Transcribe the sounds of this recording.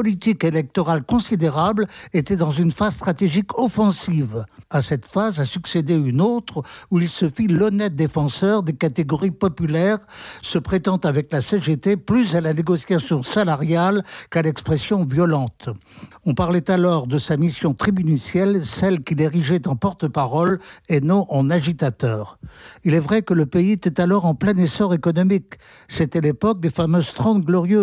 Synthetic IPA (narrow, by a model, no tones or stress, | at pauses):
pɔlit̪ikelɛk̚t̪ɔʁalkɔ̃sid̪eʁablet̪ɛd̪ɑ̃zynfaz̥st̪χat̪eʒikʰɔfɑ̃sivasɛt̪fazasyksed̪eynot̪χuilsəfilɔnɛt̪̚d̪efɑ̃sœʁd̪ekat̪eɡɔʁipɔpylɛʁsəpχet̪ɑ̃t̪avɛklaseʒet̪eplysalaneɡɔsjasjɔ̃salaʁjalkalɛkspχesjɔ̃vjɔlɑ̃t̪ | ɔ̃paʁlɛt̪alɔʁd̪əsamisjɔ̃t̪χibynysjɛlsɛlkʲileʁiʒɛt̪ɑ̃pɔʁt̪əpaʁɔlenɔ̃ʔɑ̃naʒit̪at̪œːʁilɛvʁɛkələpeiet̪ɛt̪alɔʁɑ̃plɛ̃nesɔʁekɔnɔmik | set̪ɛlepɔk̚d̪efamøzt̪χɑ̃d̪ɡlɔʁjø